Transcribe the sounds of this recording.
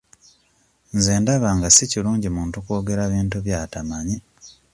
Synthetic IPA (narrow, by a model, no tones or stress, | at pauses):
nzeːndaβaŋɡasiciluːɲɟimuːntukoːɡe̞ɾaβiːntuβjaːtamaɲi